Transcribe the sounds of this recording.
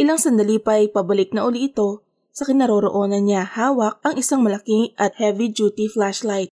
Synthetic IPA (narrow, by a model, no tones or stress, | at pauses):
ʔɪlaŋsɐnd̪ɐliːpɐjpɐbɐlɪk̚nɐʔʊliʔɪt̪o̞ | sɐkɪnɐɾo̞ːɾo̰ʔo̞ːnɐnɲahaːwɐk̚ʔɐŋʔɪsaŋmɐlɐkiŋʔɐt̪̚hɛvid͡ʒuːt̪iflaʃlajt̪̚